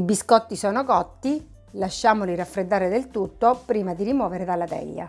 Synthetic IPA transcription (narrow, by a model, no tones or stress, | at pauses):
ibiskɔt̪ːisɔːnokɔt̪ːi | laʃːaːmoliɾafɾed̪ːaːɾed̪elt̪ut̪ːopɾiːmad̪iɾimwɔːveɾed̪alːat̪ɛ̰ʎːa̰